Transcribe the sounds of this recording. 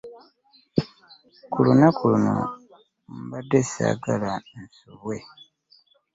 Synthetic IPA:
kʰulunakuluno̞̰ | mbadːesa̰ːɡalaensuβwe̞

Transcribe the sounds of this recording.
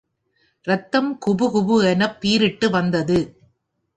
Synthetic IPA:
ɾɐt̪ːɐmkʊbɯɣʊbɯɛnɐpːiːɾɪʈːɯʋɐnd̪ɐðɯ

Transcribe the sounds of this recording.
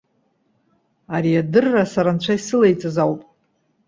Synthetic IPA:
aɾiadɨrːasaɾant͡ɕʷʰaisɨlajt͡sʼazawpʼ

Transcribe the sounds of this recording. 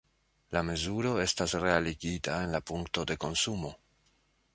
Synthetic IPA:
lame̞zuɾo̞e̞stasre̞aliɡitae̞nlapuŋkto̞de̞ko̞nsumo̞

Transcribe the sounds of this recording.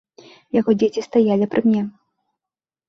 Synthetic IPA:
jaɣɔd͡zʲet͡sʲist̪ajalʲipɾɨmʲnʲɛ

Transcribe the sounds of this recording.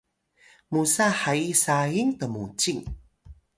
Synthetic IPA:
musaħaisajiŋpəmut͡ɕiŋ

